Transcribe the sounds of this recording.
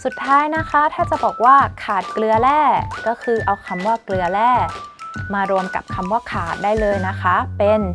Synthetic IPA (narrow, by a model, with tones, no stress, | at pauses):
su˨˩t̪ʰːaː˦˥jna˦˥kʰa˦˥t̪ʰaː˥˩t͡ɕa˨˩bɔː˨˩k̚waː˥˩kʰaː˨˩t̪̚klɯ˧ɐlɛː˥˩kɔː˥˩kʰɯː˧ʔa˧wkʰa˧mwaː˥˩klɯ˧ɐlɛː˥˩maː˧ɾu˧əmka̰˨˩p̚kʰa˧mwaː˥˩kʰaː˨˩t̪̚daː˥˩jlɤː˧jna˦˥kʰa˦˥pe˧n